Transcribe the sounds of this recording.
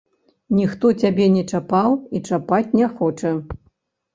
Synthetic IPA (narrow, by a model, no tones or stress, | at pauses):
nʲixt̪ɔt͡sʲabʲɛnʲɛt͡ʂapawit͡ʂapat͡sʲnʲɛxɔt͡ʂɐ